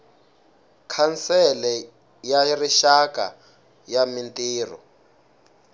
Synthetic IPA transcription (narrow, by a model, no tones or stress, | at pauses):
kʰansɛlɛ | jariʃaka̰ | jamintiːrɔ̰